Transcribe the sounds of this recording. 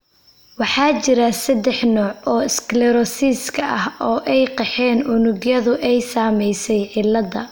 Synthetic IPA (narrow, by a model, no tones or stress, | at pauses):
wɑħɑːt͡ʃɪɾɐsɐd̪ɛħnɔːʕɔːɪsklɛɾɔsiːskʰɐʔɐhɔːʔɛjqɛħɛːnʊnʊɡjɐðʊʔɛjsaːmɛjsɛjʕɪlːɐðɐ